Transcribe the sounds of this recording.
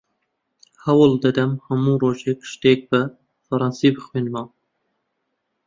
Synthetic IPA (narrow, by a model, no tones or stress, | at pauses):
hæwɨld̪ɛd̪ɛmhɛmuːɾoːʒekʃt̪eːk̚bɛ | fɐɾˤɑnsiːbɨxweːnmɑː